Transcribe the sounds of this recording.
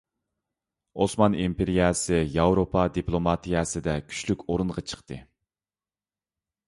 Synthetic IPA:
osmɑnimpʰeɾijɑsɨjɑwɾopʰɑd̪iplˠomɑt̪ʰijɑsɨd̪ɛkʲʰy̥ʃlykʲoɾunʁɑt͡ʃʰə̥qt̪ɨ̰

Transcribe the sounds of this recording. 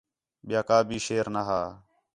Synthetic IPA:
ɓɪjaːkaːbʱiːʃeːɾnaɦaː

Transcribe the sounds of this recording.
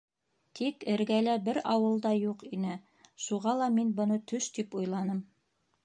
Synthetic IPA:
t̪ʰikɘ̆ɾɡælæbɘɾɑwɤ̆lˠd̪ɑjuqinɘ | ʃuʁɑlˠɑminbɤ̆nɤt̪ʰɵʃt̪ipujlˠɑnɤm

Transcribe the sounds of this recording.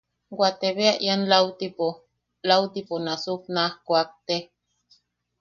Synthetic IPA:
ɡwat̪eβeaʔjanlawt̪ipo | lawt̪iponasuk̚nahkʷak̚t̪e

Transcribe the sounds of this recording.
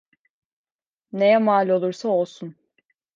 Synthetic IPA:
ne̞jɛmaːlʲo̞lˠuɾsao̞lˠsun

